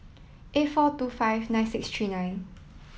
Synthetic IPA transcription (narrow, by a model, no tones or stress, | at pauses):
ʔetfɔtuːfajvnãj̃nsɪkstʰɹiːnãj̃n